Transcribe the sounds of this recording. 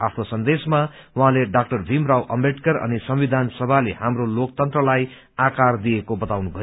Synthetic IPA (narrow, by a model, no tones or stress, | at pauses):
apʰnosʌnd̪esmawaɦãleɖak̚ʈʌrbʱimrawʔʌmbeʈkʌɾʌ̰nisʌmwid̪ʱansʌbʱalehamrolok̚t̪ʌnt̪rʌlaj | akard̪iekobʌt̪awnubʱʌ